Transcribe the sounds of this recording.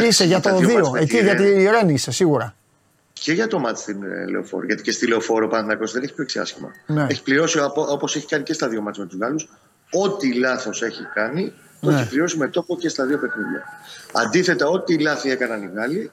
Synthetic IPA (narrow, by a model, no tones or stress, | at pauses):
ise̞ʝɐt̪oðioeciʝɐt̪iɾe̞nisesiɣuɾɐ | ceʝɐt̪o̞mɐt̪i̥st̪inlḛo̰fo̞̰ɾḭʝɐt̪icest̪ileofo̞ɾopɐθnɐkosiðeneçipçoeksiɐ̰sçimɐ̰neeçi̥pliɾo̞siopo̞se̞çi̥kɐnice̞st̪ɐðio̞mɐt̪t͡smet̪uzɣɐlus | o̞t̪ilɐθo̞se̞çikɐni | t̪oeçipliɾo̞sime̞t̪o̞po̞cest̪ɐðio̞pe̞xniðʝɐ̰ɐnd̪iθe̞t̪ɐo̞t̪ilɐθie̞kɐnɐniɣɐli